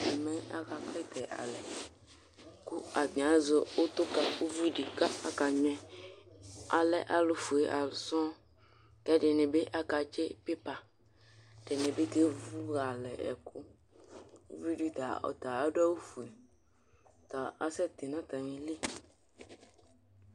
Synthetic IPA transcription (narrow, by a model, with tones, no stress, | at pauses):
e˨mɛ̃˦a̰˦ka˨kle˦t̪ɛ˨ʔa̰˨lɛ˨ | ku˦a˨t̪ĩ˨a˨zo˦o˦t̪o˦ka˨u˦vi˦ɖi˨ka˦a̰˦ka˨ɲɛ̃˦ | a˨lɛ˦ʔa˨lo˦fu˨e˨ʔa˨lu˨sɔ̃˦ | kɛ˦ɖe˨nẽ˨be˦ʔa˦ka˨t͡ʃe˦pe˦pa˨ | ɖe˨nẽ˨be˦t̪e˦vu˦bɡa˨lɛ˨ɛ̰˨ku˦ | ṵ˦vi˦ɖi˦t̪a˨ɔ̰˨t̪a˨a˦ɖɛ˦wu˦fu˨e˨ | t̪ɔ˨a˦sɛ˦t̪e˨nã˦t̪a˨mĩ˨li˦